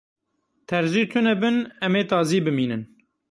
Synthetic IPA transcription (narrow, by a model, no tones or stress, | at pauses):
t̪ʰɛɾʒiːt̪ʰɨnɛbɨnɛmeːt̪ɑːziːbɨmiːnɨn